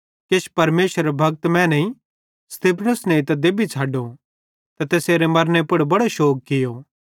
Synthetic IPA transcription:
keʃpɐɾmeːʃəɾebʱɐɡ̚t̪mɛ̃ːnɐĩ | st̪iːpʰnəsneit̪̬ɐd̪eːbit͡sʰaːɖo | t̪ɐt̪eːseːɾemɐɾnepʊɽbɐɽoʃoːk̚kɪjoː

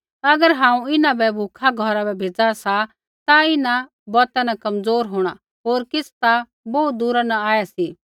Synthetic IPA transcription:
ɐɡəɾɦãːũɪnãbɛbʱukʰaɡʱɔɾabɛbʱeːd͡zasa | t̪aɪnã | bɔːt̪anakɐmzoːɾɦoːɽ̃a | ɦoːɾkɪst̪a | bɔut̪̚d̪uːɾanaaːjasiː

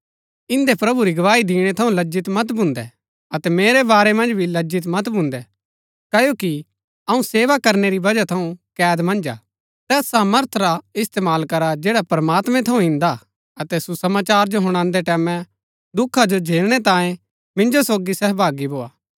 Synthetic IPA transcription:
ɪ̃nd̪epɾɐbuɾiɡɐʋaːid̪iːɽ̃ɛt̪ʰɐũlɐd͡ʒɪt̪mɐt̪bʱʊ̃ːnd̪ɛ̰ | ɐt̪ɛmeːɾebaːɾemɐ̃nd͡ʒbʱilɐd͡ʒɪt̪mɐt̪bʱũnd̪ɛ | kɐjoːki | ɐũseːʋakɐɾneɾibɐd͡ʒat̪ʰɐũkɛːd̪mɐ̃nd͡ʒa̰ː | t̪ɛːsaːməɾt̪ʰɾaɪst̪eːmaːlkɐɾad͡ʒeːɽapɾmaːt̪mɛ̃t̪ʰɐũɦɪ̃nd̪a | ɐt̪ɛsusɐmaːt͡ʃaːɾd͡ʒoɦʊɽ̃ãːnd̪ɛʈɛːmɛ̃ | d̪ʊkʰːad͡ʒod͡ʒʱeːlɽ̃ɛt̪ãːjẽ | mɪ̃nd͡ʒosoːɡisɛːɦbʱaːɡibʱoːa̰ː

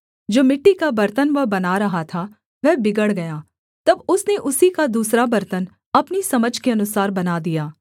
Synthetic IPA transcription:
d͡ʒoːmɪʈːikabɐɾt̪ənʋɐbɐnaɾɐɦat̪ʰa | ʋɛɦbɪɡəɽɡɐjaː | t̪ɐbʊsneʔʊsikad̪uːsɾabɐɾt̪ən | ɐpnisɐməd͡ʒʱkeɐnʊsaːɾbɐnad̪ijaː

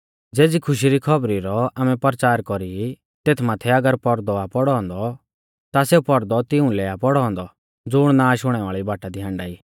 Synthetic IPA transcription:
d͡zeːd͡zikʰʊʃ̬iɾikʰɔbɾiɾɔaːmɛpəɾt͡ʃaːɾkɔɾii | t̪eːt̪ʰmaːt̪ʰɛɐɡəɾpɔɾd̪ɔapɔɽɔ̃ːnd̪ɔ | t̪aseupɔɾd̪ɔt̪ɪũlɛapɔɽɔɦɔ̃nd̪ɔ | d͡zʊɽ̃nãːʃʊɽ̃ɛʋaːɭibaːʈad̪iɦãːɳɖaːiː

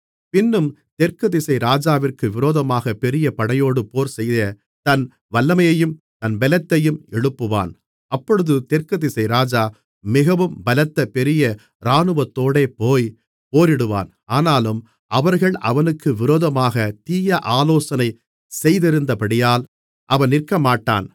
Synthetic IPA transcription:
pɪnːɯmt̪ɛɾkɐðɪsɐɪɾaːd͡ʒaːʋɪrkɯʋɪɾoːðɐmaːɣɐpɛɾɪjɐpɐɽɐjoːɽɯpoːɾsɛjðɐ | t̪ɐn | ʋɐlːɐmɐjɐjɯm | t̪ɐnʋɛlɐt̪ːɐjɯmɛɻɯpːɯʋa̰ːn | ɐpːɔɻɯðɯt̪ɛɾkɐðɪsɐɪɾaːd͡ʒaː | mɪɣɐʋɯmbɐlɐt̪ːɐpɛɾɪjɐ | ɾaːnɯʋɐt̪ːoːɽeːpoːj | poːɾɪɽɯʋa̰ːn | aːnaːlɯm | ʔɐʋɐɾɣɐɭʔɐʋɐnɯkːɯʋɪɾoːðɐmaːɣɐt̪iːjɐʔaːloːsɐnɐɪ | sɛjðɪɾɯnd̪ɐpɐɽɪjaːl | ʔɐʋɐnnɪrkːɐmaːʈːa̰ːn

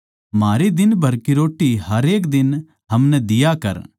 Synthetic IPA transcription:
maːɾid̪ɪnbʱɐɾkiɾoːʈːiɦɐɾeːkd̪ɪn | ɦɐmnɛd̪ɪjakɐ̰ɾ

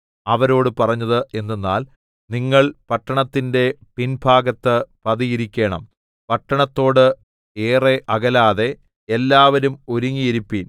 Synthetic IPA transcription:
ɐʋɐɾo̞ːɽɨpɐrɐɲːɐðɨʔe̞nːenːa̰ːl | niŋːɐɭpɐʈːɐɳɐt̪ːinde̞pinbʱaːɡɐt̪ːɨpɐðijiɾikʲːe̞ːɳɐ̰m | pɐʈːɐɳɐt̪ːo̞ːɽɨ | eːreʔɐɣɐlaːðe̞ | elːaːʋɐɾumoɾuŋːijiɾupːiːn

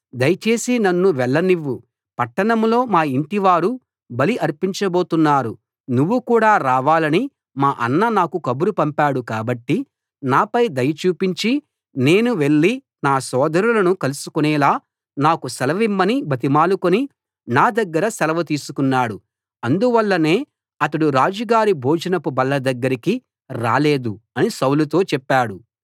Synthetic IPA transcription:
d̪ɐjɐt͡ʃe̞ːsinɐnːuʋɛɭːɐniʋːu | pɐʈːɐɳɐmlo̞ːmaːiɳʈiʋaːɾu | bɐliʔɐɾpiɲt͡ʃɐbo̞ːt̪unːaːɾu | nuʋːukuːɽaːɾaːʋaːlɐni | maːʔɐ̰nːɐnaːkukɐbuɾupɐmpaːɽukaːbɐʈːi | naːpɐjd̪ɐjɐt͡ʃuːpiɲt͡ʃi | ne̞ːnuʋe̞ɭːi | naːsɔːd̪ɐɾulɐnukɐlusu̥kunɛːlaː | naːkusɛlɐʋimːɐnibʱɐt̪̬imaːlukoni | naːd̪ɐɡːɐɾɐsɛlɐʋɐt̪̬iːsukunːaːɽu | ɐnd̪uʋɐlːɐne̞ː | ɐt̪ɐɽuɾaːd͡ʒɐɡaːɾibʱoːd͡ʒɐnɐpubɐlːɐd̪ɐɡːɐɾiki | ɾa̰ːle̞ːd̪uɐnisɐwlut̪o̞ːt͡ʃɛpːaːɽu

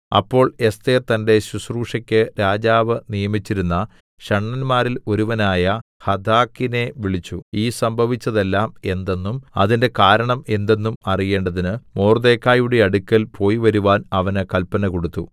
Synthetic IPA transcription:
ɐ̰pːo̞ːɭe̞st̪et̪ɐnde̞ɕusruːʂɐkʲːɨɾaːd͡ʑaːʋɨnijɐmit͡ɕːiɾunːɐ | ɕɐɳːɐnmaːɾilo̞ɾuʋɐnaːjɐ | hɐd̪ʱaːkːine̞ʋiɭit͡ɕːuiːsɐmbʱɐʋit͡ɕːɐðe̞lːaːme̞nd̪e̞nːumɐ̰ðinde̞kaːɾɐɳɐme̞nd̪e̞nːumɐrije̞ːɳɖɐðinɨmoːrd̪e̞ːkːaːjuɽe̞ɐɽukʲːɐlpʰo̞ːjiʋɐɾuʋaːnɐʋɐnɨkɐlpɐnɐko̞ɽut̪ːṵ

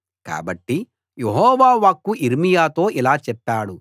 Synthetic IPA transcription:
ka̰ːbɐʈːi | jeɦɔːʋaːʋaːkːuʔiɾmijaːt̪o̞ːʔilaːt͡ʃɛpːaːɽu

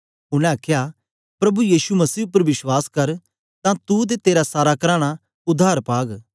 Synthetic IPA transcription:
ʊnɛ̃aːkʰja | pɾɐbujiːsumɐsiːʊpːəɾʋɪswaːskɐɾ | t̪ãt̪ud̪et̪eːɾasaːɾakɐɾaːɽ̃a | ʊd̪ʱːaːɾpaːɡ

